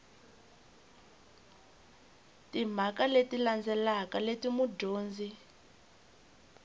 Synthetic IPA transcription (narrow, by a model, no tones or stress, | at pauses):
tim̤akaletiland͡zɛlakaletimuɟoːnd͡zi